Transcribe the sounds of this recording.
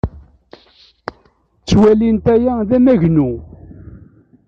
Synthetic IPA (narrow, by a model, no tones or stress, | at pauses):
t͡sːwælint̪æjæðæmæʝnu